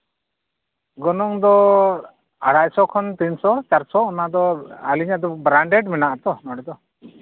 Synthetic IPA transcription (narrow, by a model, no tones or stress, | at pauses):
ɡɔnɔŋd̪ɔ | aɽacsɔkʰɔnt̪insɔt͡ʃaɾsɔɔnad̪ɔaliɲad̪ɔbɾaɳɖeɖmɛnaʔat̪ɔnɔɽɛd̪ɔ